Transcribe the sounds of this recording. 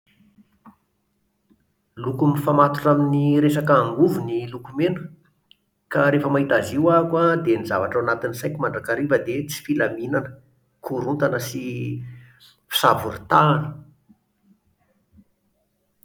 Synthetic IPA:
lukumifamat̪u̥ʈ͡ʂaminiɾesakaːŋɡuvunilukumenə̥ | kaɾefəmaɦit̪aziwakwad̪enizavaʈ͡ʂawanat̪insajkʲimaɳɖ͡ʐakaɾivəd̪et͡si̥filaminanə̥ | kʰuɾunt̪anəsi | fi̥savṵɾit̪aːni̥

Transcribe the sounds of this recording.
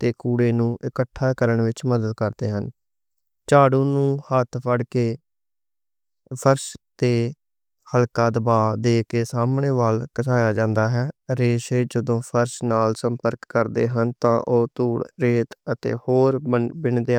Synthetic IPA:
t̪eːkuːɽeːnũːʔɪkəʈʰːaːkəɾəɳʋɪt͡ʃməd̪əd̪̚kəɾd̪eːɦən | t͡ʃaːɽũːnũːhət̪ʰpʰəɽkeː | pʰəɾʃt̪eː | həlkaːd̪əbaːd̪eːkeːsaːmɳeːʋaːlkəsaːjaːd͡ʒãːnd̪aːɦɛːɾeːʃeːd͡ʒəd̪õːpʰəɾʃnaːlsəmpəɾkːəɾd̪ḛːɦənt̪ãːʔoːt̪uːɽɾeːt̪ət̪ḛːhoːɾəbɪɳd̪e

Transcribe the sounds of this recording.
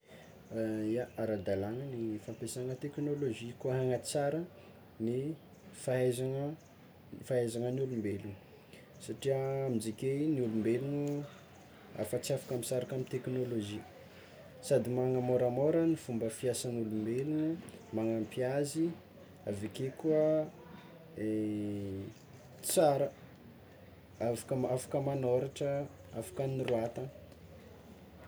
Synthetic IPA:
jaaɾad̪alaŋənifampesaŋət̪eknoloʒikuɦaŋat͡saɾə | ni | faazaŋə | faazaŋənulumbelu | saʈ͡ʂiəamid͡zikeniulumbelunu | a̰fat͡siafḁkamit͡saɾakamint̪eknoloʒi | sad̪imaŋamoɾamoɾənifumbəfiasanulumbelunumaŋampiazi | avekekuə | e | t͡saɾə | afḁkəafḁkəmanoɾaʈ͡ʂə | afḁkəniruat̪ə

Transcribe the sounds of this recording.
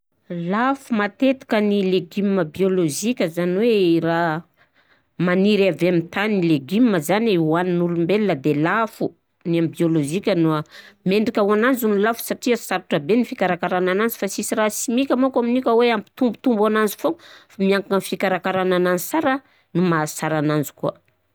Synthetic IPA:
lafumat̪et̪i̥kənileɡimːəbioloʒikʲəzaniweira | maniɾavamit̪anileɡimːəzaniwaninulumbelinəd̪elafu | nambioloʒikʲənuameɳɖ͡ʐikʲawananzunilafu̥saʈ͡ʂiəsaɾuʈ͡ʂabenifikaɾakaɾanananzi̥fasisirasimikʲamakaminikʲəweampi̥t̪umbut̪umbananzi̥fofamiaŋaŋənfikaɾakaɾanananisaɾa | numasaɾanand͡zu̥kuə

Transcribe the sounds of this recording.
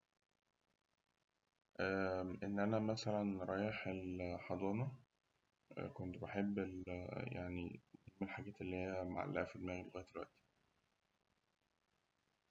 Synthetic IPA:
ʔæːʔenːʔænæmæsælænɾˤɑːjeħelħɑd̪ˤɑːnɑ | kont̪beħebːelja̰ʕnḭnemelħaɡæːt̪elːihejːæma̰ʕa̰lʔæʔæfed̪mæːɣd̪elɣæːjæd̪d̪elwæ̰ʔt̪i̥

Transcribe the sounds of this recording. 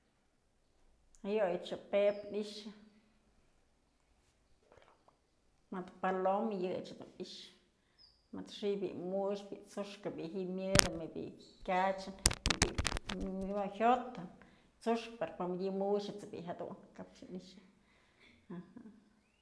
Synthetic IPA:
ajojt͡ʃɨpepniʂɨ | mɨt̪palomjɨt͡ʃhad̪ṵniʃ | mɨt̪ʂibḭʔmut͡ʃbiʔt͡suʂkɨbiʔɦiʔmʲjɨd̪ɨmɨbḭʔkʲat͡ʃɨnmɨbḭ | mohot̪ɨn | t͡suʂkpaɾpamdʲimuʃɨt͡sɨbḭʔɦad̪ṵʔnkap̚t͡ʃɨniʃɨ | aha

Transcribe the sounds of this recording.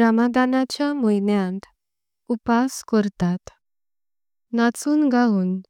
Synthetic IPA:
ɾamad̪anat͡ɕjamujnjãnt̪ | upaskəɾt̪at̪ | at͡suːnɡauːn

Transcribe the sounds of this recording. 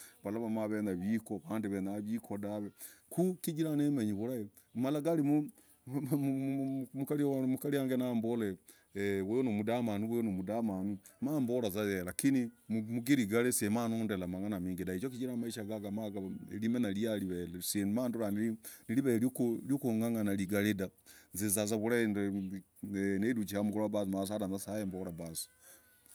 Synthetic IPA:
βalaβamaβenaβikoβaːndeβenaβikʰodaβekukid͡ʒiɾanemeɲiβoɾae | malaɡalimo | mukalimukaɾiaŋɡenambole | wenomudamanuβenomudamanumaːmbolazajelakinimumuɡeɾiɡalesiemanondelamaŋanamiːŋɡidait͡ʃokit͡ʃiɾamaiʃaɡaɡamaɡalimenaliaɾiβelsemandoɾaniiniliβeɾkljokoŋaŋanaliɡaledanzezaz̬aβuɾaende | nedut͡ʃiamukoabasmas̬aɾanzasaemboɾabasi̥

